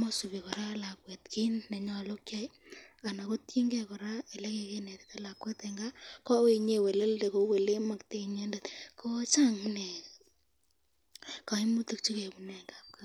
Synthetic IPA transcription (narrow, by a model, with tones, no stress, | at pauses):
mɔ˦su˨bi˨kɔ˨ɾa˦la˨kwɛ˨tki˦nːɛ˨ɲɔ˦lo˦kja˦ja˨na˨ko˦tji˦ŋɡɛ˦kɔ˨ɾa˦e˨lɛ˦ke˧ke˦nɛ˨t̪i̥˦ta˦la˨kwɛ˦tɛ˨ŋɡa˦kɔ˦we˦˨ɲe˦we˨le˦lde˨ko˨˦we˨le˦ma˨kte˨ɲe˦nde˨t̪ko˦t͡ʃa˦ŋnɛ˨ | ka˨i˦mu˦ti˦k̚t͡ʃu˦ke˨bnɛ˨ŋɡa˦p̚ka